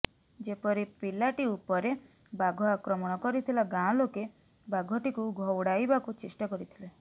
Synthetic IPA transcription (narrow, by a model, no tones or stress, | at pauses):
d͡ʒepɔɾipilaʈiupɔɾe | baɡʱɔakɾɔmɔɽ̃ɔkɔɾit̪ʰilaɡãɔ̃loke | baɡʱɔʈikuɡʱɔwɽajbakut͡ʃesʈɔkɔɾit̪ʰile